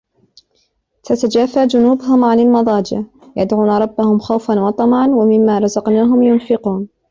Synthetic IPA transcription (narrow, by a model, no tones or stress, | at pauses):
fat̪ad͡ʒaːfaːd͡ʒʊnuːbʊɦʊmʕanalmɑðˤɑːd͡ʒɪʕ | jad̪ʕuːnaɾˤɑbːahʊmxawfanwɑt̪ˤɑmʕɑnwamɪmːaːɾˤɑzɑqnaːɦʊmjʊnfɪquːn